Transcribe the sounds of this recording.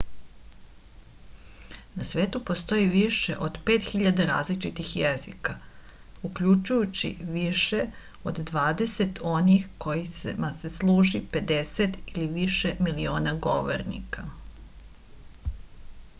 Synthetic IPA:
nasʋe̞ːt̪upo̞st̪o̞jiʋiʃḛʔod̪peːt̪xiʎad̪aɾa̰ːzlit͡ʃit̪ixjezḭka | ukʎut͡ʃujut͡ɕḭʋiʃe̞ | o̞d̪d̪ʋaːd̪e̞set̪ʰo̞nixko̞jismaseslˠuːʒipe̞d̪eset̪iliʋiʃemilio̞ːnaɡoʋo̰ɾnḭka

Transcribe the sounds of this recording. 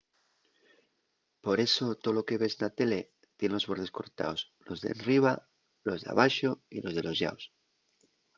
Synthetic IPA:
po̞ɾe̞so̞t̪oloke̞βe̞snat̪e̞le | t̪jenlo̞zβo̞ɾðe̞sko̞̰ɾt̪a̰os | lo̞zðḛnriβ̞a | lo̞zðea̰βaʃo̞ilo̞zðe̞lo̞zʝa̰os

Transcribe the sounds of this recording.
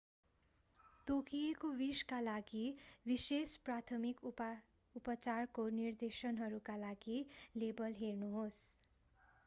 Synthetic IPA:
t̪okijekobiskalaɡibisesprat̪ʰʌmik | upʌt͡sarkonird̪esʌnɦʌɾukalaɡilebʌlɦernuɦos

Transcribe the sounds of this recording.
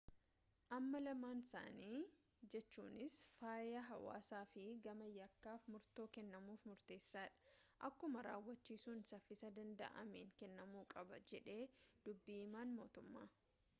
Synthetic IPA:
ʔɐmːɐlɐmaːnɪsa̰ːniː | d͡ʒɛt͡ʃːṵːnɪsfaːjɐɦɐwa̰ːsaːfɪɡɐmɐjɐkːaːfmʊɾt̪o̞ːkɛnːɐmuːfmʊɾt̪e̞ːsːaːᶑɐ̥ʔɐkːʊmɐɾa̰ːwːɐt͡ʃːiːsuːnsɐfːɪsɐd̪ɐnd̪ɐ̰ʔɐ̰mḛːŋkɛnːɐmuːkʼɐbɐd͡ʒɛᶑe̞ːd̪̥ʊbːiɪmaːnmo̞ːt̪ʊmːa̰ː

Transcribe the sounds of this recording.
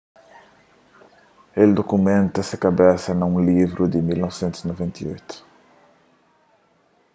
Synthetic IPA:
eld̪okumẽnt̪ɐsɐkɐbɛsɐnɐũlivɾʔud̪ɪmilnɔvsẽnt̪uzinovẽnt̪ḭo̰jt̪ʊ̥

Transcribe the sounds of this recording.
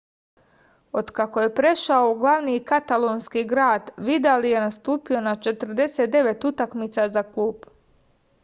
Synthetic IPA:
o̞d̪kakoje̞pɾe̞ʃaouɡlˠaʋnikat̪alonskiɡɾaːd̪ʋid̪alije̞nast̪uːpio̞nat͡ʃe̞t̪ɾ̩d̪e̞set̪̚d̪e̞ʋe̞t̪ut̪akmit̪sazaklˠuːb

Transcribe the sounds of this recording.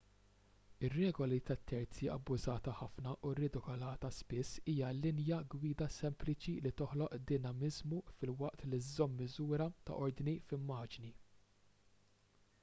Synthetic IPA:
ɪrːɛːɡɔlit̪ɐt̪ʰːɛɾt͡siɐ̰bːʊzɐːt̪ɐħɐfnɐʔurɪd̪ɪkɔlɐːt̪ɐspɪsːiːjɐlɪnjɐɡwiːd̪ɐsɛmplɪt͡ʃilit̪ɔħlɔʔd̪ɪnɐmɪzmufɪlwɐʔt̪lɪzːɔmːɪzuːɾɐt̪ɐ̰ʔɔɾd̪nifɪmːɐːd͡ʒni

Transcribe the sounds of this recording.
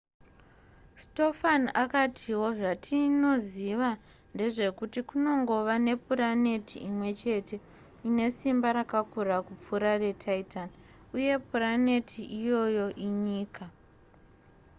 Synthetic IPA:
sto̞faniʔakatʰiwo̞ʐatʰino̞ziʋa | nde̞ʐe̞kutikuno̞ŋɡo̞ʋane̞purane̞tʰiimwe̞t͡ʃe̞tʰe̞ | ine̞simbaɾakakurakup͡fuɾare̞tʰaitani | uje̞purane̞tʰiʔijo̞jo̞ʔiɲiːka

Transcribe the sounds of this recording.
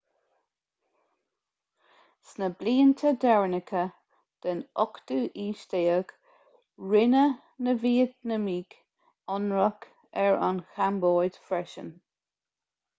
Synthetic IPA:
snəbliːənt̪ʰəd̪ɛɹnɪkʰə | d̪̥ənɔkd̪uːʔiːʃt̪eːəɡ̥ | ɹɪnə | nəviːəd̪nəmiːk | ɔnɹək | ɛɹa̰nxʰamboːjd̪̥fɾɛʃə̰n

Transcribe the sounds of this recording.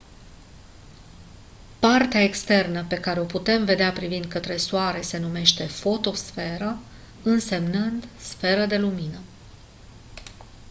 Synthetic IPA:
part̪eaekst̪e̞rnəpe̞kaɾe̞o̞put̪e̞mve̞d̪eapɾivind̪̚kət̪ɾe̞suaɾe̞se̞nume̞ʃt̪e̞fo̞t̪o̞sfe̞ɾə | ɨnse̞mnɨnd̪sfe̞ɾəd̪e̞luminə

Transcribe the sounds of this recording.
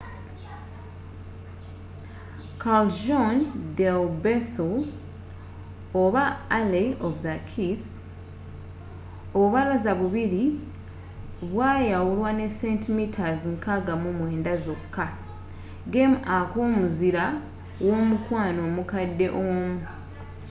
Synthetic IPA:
kʰald͡ʒondelbesol | oβaːleovðakʰis | oβuβalazaβuβiɾi | βwaːjawulwane̞se̞ntmitʰaziŋkaɡamumwe̞ːndazokʰːa | ɡemakoːmuziɾa | woːmukwaːno̞ːmukadːe̞ʔoːmu

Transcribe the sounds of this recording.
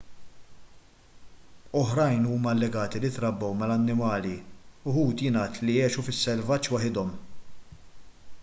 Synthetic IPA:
ɔħɾɐjnuːmɐɐlːɛɡɐːt̪ilɪt̪ɾɐbːɔwmɐlɐnːɪmɐːliʊhuːt̪jɪnɐːt̪lijɛːʃufɪsːɛlvɐt͡ʃːwɐħɪd̪ɔm

